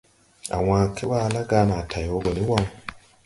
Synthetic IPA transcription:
a̰˨w̃aː˨kʰe˦wa˦˨la˦ɡaː˨˦na˨tʰa˨jɔ˦ɡɔ˨ni˦wa˦ŋ˦

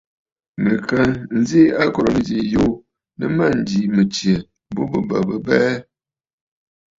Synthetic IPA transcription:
mɨ˨kə˦n̩˦zi˦a˦kɔ˨ɾɔ˨nɨ˦d͡ʒi˨jo˦ | nɨ˦ma˦˨n̩˨di˨˦mɨ˨t͡ʃje˨˦ | bo˦bɨ˨ba˨bə˦bɛː˦

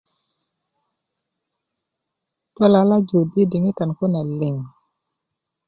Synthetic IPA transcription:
tɔ˦la˨la˦d͡ʒo˨be˦di˨ŋi˦ka˨nko˦na˨lɪ˨ŋ

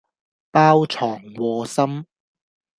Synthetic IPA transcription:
paː˥wt͡ʃʰɔː˨˩ŋwɔː˧sɐ˥m

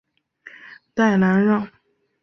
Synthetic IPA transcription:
t̪a˥˩ɪna˧˥nɻɑ˥˩ŋ

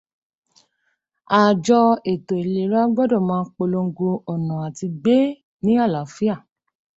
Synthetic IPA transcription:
a˨d͡ʒɔ˧e˨to˨e˨le˨˦ɾa˦ɡ͡bɔ˦dɔ˦˨mãː˦k͡po˧lo˧ŋ̩˦˧ɡo˧ɔ˨nã˨a˨ti˧ɡ͡be˦ | nĩ˦a˦˨la˨fi˦a˦˨

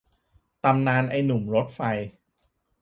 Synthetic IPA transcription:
t̪a˧mnaː˧nʔa˧jnu˨˩mɾo˦˥t̪̚fa˧j

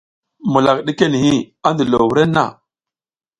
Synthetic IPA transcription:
mu˨la˨k̚ɗi˦ke˦ni˨hi˦a˦ndə˨lo˨wu˨ɾe˦na̰˦˨

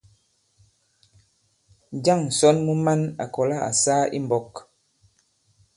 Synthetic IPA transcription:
d͡ʒa˦˨ŋ˨sɔ˦nmu˦ma˦na̰˨kɔ˨la˦˨a̰˨saː˦ḭ˦m˨bɔ˦k

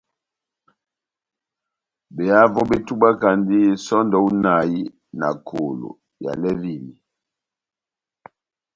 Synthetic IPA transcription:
bɛ˨a˦vɔ˦ɓe˦tu˦ɓa˦ka˨ndi˦sɔ˦ndɔ˨u˦na˨ji˦ | na̰˨kʰo˨lo̰˨ | ja̰˨lɛ˦vi˦˨ni˨

